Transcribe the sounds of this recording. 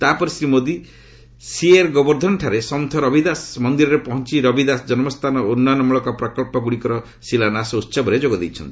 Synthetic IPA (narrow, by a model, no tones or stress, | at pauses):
t̪apɔɾisɾimod̪i | sieɾɡɔbɔɾd̪ʱɔnʈʰaɾesɔmt̪ʰɔɾɔbid̪asmɔnd̪iɾɔɾepɔɦɔnt͡ʃiɾɔbid̪asd͡ʒɔnɔmɔst̪ʰanɔonːanɔmuɭɔkɔpɾɔkɔlpɔɡuɽikɔɾɔ | silanasɔut̪ːsɔbɔɾed͡ʒoɡɔd̪ejt͡ʃʰɔnt̪i̥